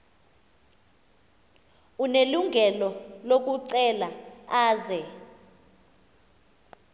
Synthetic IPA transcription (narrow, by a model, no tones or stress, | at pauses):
uneluŋɡʱɛlɔlok̬ʼuǀɛlaaːzɛ